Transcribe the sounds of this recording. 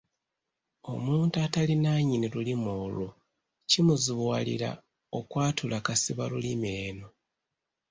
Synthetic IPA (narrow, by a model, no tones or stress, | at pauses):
o̞̰muːntuatalinaɲinilulimoːlu | cimuziβwalḭɾa̰ | okwaːtulakasiβalulimeːno̞